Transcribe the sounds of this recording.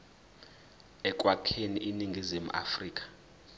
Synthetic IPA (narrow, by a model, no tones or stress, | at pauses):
ɛk̬ʼwakʰeniʔiniŋɡʱizimuʔa̰friːk̬ʼḁ